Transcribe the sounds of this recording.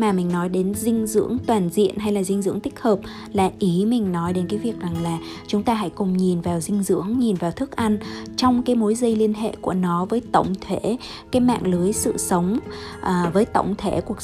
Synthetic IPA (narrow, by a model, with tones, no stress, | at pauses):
maː˨˩mï̟˨˩nɔ˨˦jɗe˨˦nzï˧ŋ̟zɨ̰˧˥əŋt̪waː˨˩nzḭ˧˨ənɦa˧jlaː˨˩zï˧ŋ̟zɨ̰˧˥əŋt̪ï˦˥k̟̚həː˨˩p̚ | laː˨˩ʔi˨˦mï˨˩ŋ̟nɔ˨˦jɗe˨˦nkaː˨˦jvi˨˩ək̚za˨˩ŋlaː˨˩ | t͡ɕʊ˨˦ŋ͡mt̪aː˧ɦa̰˧˥jkʊ˨˩ŋ͡mɲi˨˩nvaː˨˩wzï˧ŋ̟zɨ̰˧˥əŋɲi˨˩nvaː˨˩wt̪ʰɨ˦˥k̚ʔa˧nt͡ɕɔ˧wŋ͡mkaː˨˦jmo˨˦jzə˧jli˧ənɦḛ˧˨ku˧˩ənɔ˨˦vəː˨˦jt̪ə̰˧˨wŋ͡mt̪ʰe˧˩ | kaː˨˦jma̰ː˧˨ŋlɨ˨˦əjsɨ̰˧˨sə˨˦wŋ͡mʔːvəː˨˦jt̪ə̰˧˨wŋ͡mt̪ʰe˧˩ku˨˩ə